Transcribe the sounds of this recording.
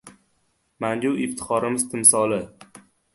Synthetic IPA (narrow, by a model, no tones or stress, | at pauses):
mand͡ʒuɪft̪ʰɪ̥qʰɒɾɪmɪzt̪ʰɪmsɒlˠɪ